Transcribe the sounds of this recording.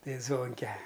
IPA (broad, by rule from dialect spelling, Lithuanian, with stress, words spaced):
ˈtɐɪ ˈzʋoːŋʲkʲɛ